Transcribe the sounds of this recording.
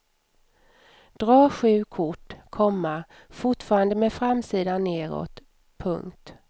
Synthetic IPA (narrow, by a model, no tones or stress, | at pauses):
d̪̥ɾɑːɧʉ̟ːkʰʊʈːkʰɔmːa | fʊʈfɑːɾand̪əmɛfɾamsiːd̪anːeːɾo̰ːt̪ | pʰɵ̰ŋkt̪